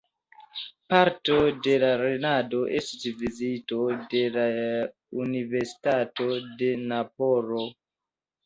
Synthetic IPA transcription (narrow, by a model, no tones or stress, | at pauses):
paɾto̞de̞laɾe̞nado̞ʔestisvizito̞de̞la | unive̞ɾsi̥tato̞de̞napoɾo